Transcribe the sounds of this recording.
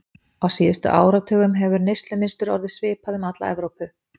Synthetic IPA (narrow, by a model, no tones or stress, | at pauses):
awsiːðʏst̪ʏ̰ʔa̰ːwɾat̪ʰœːɣʏmɦɛvʏɾnejst̪lʏmɪst̪ʏɾɔ̰ɾðɪ̥svɪːpaðʏmat̪la̰ɛ̰vɾowpʏ